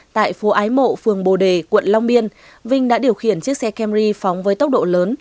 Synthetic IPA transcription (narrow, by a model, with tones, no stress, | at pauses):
t̪a̰ː˧˨jfo˨˦ʔaː˨˦jmo̰˧˨fɨ˨˩əŋɓo˨˩ɗe˨˩kwə̰˧˨nla˧wŋ͡mɓi˧ən | vï˧ŋ̟ɗa̰ː˧˥ɗi˨˩əwxḭ˧˩ənt͡ɕɨ˦˥ək̚sɛ˧kɛ˧mzi˧fɔ˨˦wŋ͡mvəː˨˦jt̪ə˦˥k͡p̚ɗo̰˧˨ləː˨˦n